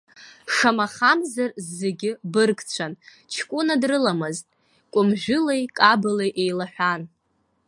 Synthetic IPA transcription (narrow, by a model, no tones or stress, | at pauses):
ʂamaχamzarzːeɡʲɪbɨrɡt͡ɕʷʰan | t͡ʃʰkʷʼʊnadrɨlamɨztʼ | kʷʼʊmʒᶣʊlejkʼabɨlejʔejlaħʷᶣan